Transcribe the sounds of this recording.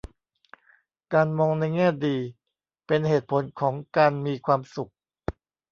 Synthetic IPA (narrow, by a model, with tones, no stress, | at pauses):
kaː˧nmɔː˧ŋna˧jŋɛː˥˩diː˧ | pe˧nheː˨˩t̪̚pʰo˩˦nkʰɔː˩˦ŋkaː˧nmiː˧kʰwaː˧msu˨˩k̚